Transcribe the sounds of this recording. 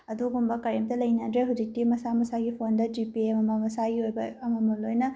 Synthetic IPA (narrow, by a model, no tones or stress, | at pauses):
ɐduɡumbɐkɐɾemtɐlɐjniandɾeɦud͡ʒik̚timɐsamɐsaɡipʰondɐd͡ʒipiemɐmɐmɐsaɡiojbɐɐmɐmolojnɐ